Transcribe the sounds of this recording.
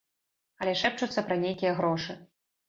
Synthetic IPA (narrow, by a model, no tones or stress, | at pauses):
ɐlʲɛʂɛp̚t͡ʂut̪sːɐpɾɐnʲejkʲijɛɣɾɔʂɨ